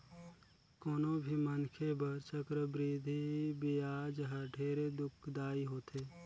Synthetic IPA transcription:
koːnobʱimənkʰebəɾt͡ʃəkɾəbɾiːd̪ʱibɪjaːd͡ʒɦəʈʰeːɾed̪ʊkʰd̪aːiɦoːt̪ʰeː

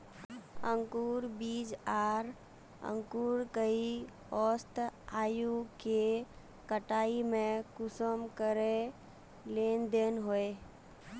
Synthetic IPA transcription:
ə̃ŋkuːɾbiːd͡ʒaːɾ | ə̰̃ŋkuːɾkəi | ɔːst̪aːjuke | kəʈaːimẽkʊsəmkəɾe | leːnd̪eːnɦoe

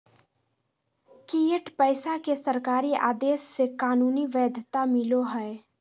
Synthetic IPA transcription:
kiəʈpəɪsakesəɾkaːɾiʔa̰ːd̪eːsːekaːnuːniʋɛːd̪ʱt̪amɪloɦɛe

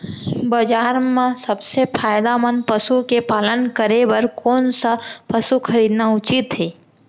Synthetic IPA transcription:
bəd͡ʒaːɾmẽsəbsepʰaːjd̪amənpəsukepaːlənkəɾebəɾkoːnsapəsukʰəɾiːd̪naʊt͡ʃit̪ɦeː

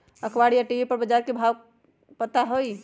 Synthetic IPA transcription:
əkʰwaɽijaʈiipəɾbəd͡ʒaɾkebʱaw | pət̪aɦoj

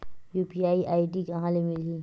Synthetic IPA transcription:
juːpiaːiʔaːiʈ̬ikɐɦãlemɪlɡi

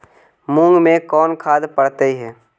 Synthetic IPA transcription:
mũŋɡmẽkɔːnkʰaːd̪pəɽt̪eiɦɛː

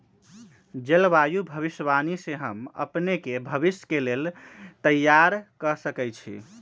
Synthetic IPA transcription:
d͡ʒelbajubʱəβisbaniseɦəmə̰pnekebʱəbisjkelelt̪əjːaɾkəsəkɛt͡ʃʰḭ

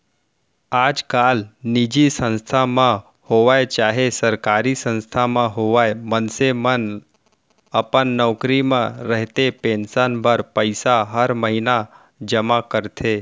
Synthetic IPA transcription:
aːd͡ʒkaːlnid͡ʒisə̃nst̪ʰamã | hoʋajet͡ʃaːɦesəɾkaːɾisə̃nst̪ʰamãɦoʋaemənsemən | əpənːɔːkɾimãɾəɦt̪epẽnsənbʱəɾpəɪsaɦəɾməɦina | d͡ʒəmakəɾt̪ʰe

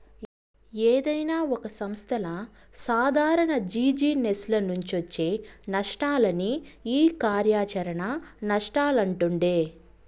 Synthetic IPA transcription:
eːd̪ɐjnaːɔkɐsɐmst̪ʰɐlɐ | saːd̪ʱaːɾɐɳɐd͡ʒiːd͡ʒiːneslɐnuɲt͡ʃiʋɐt͡ʃːe̞ːnɐʂʈaːlɐniiːkaːɾjaːt͡ʃɐɾɐɳɐnɐʂʈaːlɐɳʈuɳɖeː

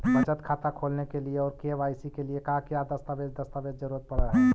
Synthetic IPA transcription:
bət͡ʃət̪kʰaːt̪akʰolnekelieɔːɾkeʋaːɪsikeliekakjad̪əst̪aʋeːd͡ʒd̪əst̪aʋed͡ʒd͡ʒəɾuɾət̪̚pəɽəɦɛː

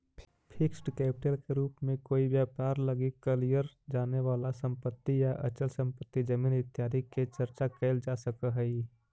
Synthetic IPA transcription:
pʰɪksʈkɛːpɪʈelkeɾuːpmẽkoːibjaːpaːɾləɡikːəlijəɾd͡ʒaːneʋaːlasə̃mpət̪ːijaʔə̰t͡ʃəlsə̃mpət̪ːid͡ʒəmiːnɪt̪jaːɾikːet͡ʃəɾt͡ʃakəɪld͡ʒasəkəɦəi

